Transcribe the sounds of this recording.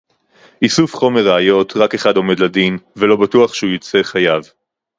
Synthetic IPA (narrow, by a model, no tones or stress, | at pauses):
ʔisufχo̞meʁaajo̞tʁake̞χado̞me̞dladinvelo̞batuaχʃeujit͡se̞χajav